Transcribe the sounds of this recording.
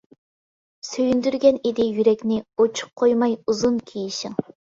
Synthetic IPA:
søjynd̪yɾɡʲɛnid̪ɪjyɾɛkʲnɪot͡ʃʰu̥q̚qʰojmɑjuzunkʲʰijiʃɪŋ

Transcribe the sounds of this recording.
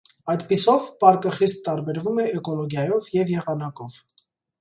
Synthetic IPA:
ɑjt̪pisɔvpɑɾkəχist̪ːɑɾbɛɾvumɛɛkɔlɔɡjɑjɔvjɛvjɛʁɑnɑkɔv̥

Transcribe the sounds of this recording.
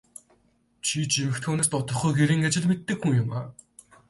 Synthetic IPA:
t͡ɕʰit͡ɕimɘ̆xt̪ʰoːneːst̪ɔt̪ɞ̆χɡujxeɾiːŋɡet͡ɕɪ̆ɮmet̪ːɘ̆kxuŋjʊma

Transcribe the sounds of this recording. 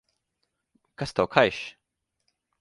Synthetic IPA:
kast̪awkʰajʃ

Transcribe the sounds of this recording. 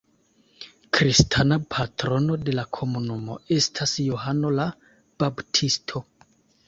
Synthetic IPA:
kɾistʰanapʰatɾo̞no̞de̞lakʰo̞munumo̞̰e̞stʰasjoɦano̞la | b̥abtʰistʰo̞

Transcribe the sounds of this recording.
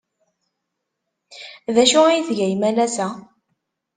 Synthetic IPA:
ðæʃʊijθʝæjmælæsæ

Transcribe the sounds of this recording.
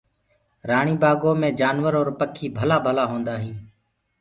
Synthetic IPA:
ɾaːɳiːbaːɡoːmẽːd͡ʒaːnʋəɾoːɾpəkʰiːbʱəlaːbʱəlaːɦõːnd̪aːɦĩː

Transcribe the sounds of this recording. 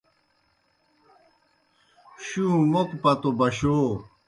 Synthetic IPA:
ɕũmokpɐt̪obɐɕoː

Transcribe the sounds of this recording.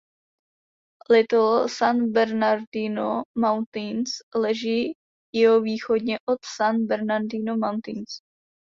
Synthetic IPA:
lɪt̪olsanbɛɾnaɾdinomawnt̪inslɛʒiː | jɛɦoviːxo̞dɲɛʔot̪sanbɛɾnaɾdinomawnt̪ins

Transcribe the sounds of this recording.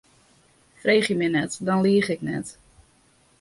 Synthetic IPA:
freːχjəmɛnɛtdɔnliəχɪknɛ̰t

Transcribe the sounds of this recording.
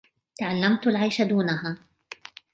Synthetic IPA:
t̪aʕalːamt̪alʕajʃad̪uːnaɦaː

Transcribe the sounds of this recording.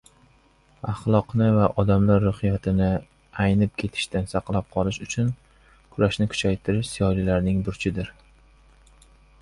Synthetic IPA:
aχlˠɒqnɪvaʔɒd̪amlaɾːʊχɪjat̪ʰɪnɪ | ajnɪp̚kʲʰe̞t̪ʰɪ̥ʃt̪ansɑqlˠap̚qʰɒlˠɪʃʊt͡ʃʰʊn | kʰʊɾaʃnɪkʰʊ̥t͡ʃʰajt̪ʰɪɾɪʃsɪjɒlilaɾnɪŋbʊɾt͡ʃʰɪd̪ɪɾ

